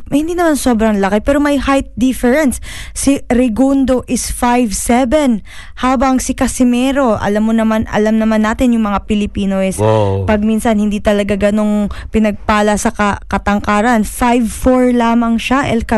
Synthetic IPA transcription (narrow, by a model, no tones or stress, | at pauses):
mɐhɪnd̪iːnɐmanso̞ːbɾɐŋlɐkɪpɛːɾomɐjhajt̪̚d̪ifɛɹɛnsːiɾɪɡund̪o̞ʔɪsfajvsɛvɛn | haːbɐŋsɪkɐsɪmɛːɾo̞ʔɐ̰lamːonɐmanɐ̰lamnɐmanːaːt̪ɪnjʊŋmɐŋapɪlɪpiːnoʔɛspɐɡ̚minsɐnhɪnd̪iːt̪ɐlɐɡaɡɐno̞ŋpɪnɐɡ̚paːlɐsɐkɐkɐt̪ɐŋkaːɾɐnfajvfoɹlaːmɐŋʃaʔɛlkɐ